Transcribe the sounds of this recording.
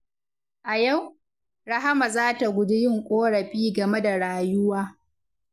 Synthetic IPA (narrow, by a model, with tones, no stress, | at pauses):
ʔa˨ja˦˨w | ɽɐ˦ɦa˦ma˨zaː˦ta˨ɡʷʊ˦dɪ˦jɪ˦ŋkʷʼoː˦ɽɐ˨ɸiː˦ɡɐ˨me˦da˨ɽaː˨jʊ˦waː˦